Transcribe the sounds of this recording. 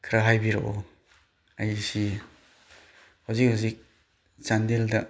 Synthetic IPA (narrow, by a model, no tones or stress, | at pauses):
kʰɾaɦajbiɾo̰ʔo | ajsi | hawzik̚hawzik̚ | t͡ʃandeldɐ